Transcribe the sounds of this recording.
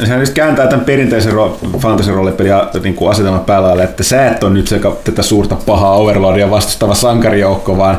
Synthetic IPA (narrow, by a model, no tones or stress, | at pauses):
sehænyst̪kæːnt̪æːt̪æmperint̪eiserrofɑnt̪ɑsiroɑlepːeliɑniːŋkuɑset̪elmɑpæːlælɑilːeet̪ːæsæːet̪ːonnyt̪sekɑt̪æt̪æsuːrt̪ɑpɑhɑːoʋerloɑdiɑʋɑst̪ust̪ɑʋɑsɑŋkɑrijoukːoʋɑːn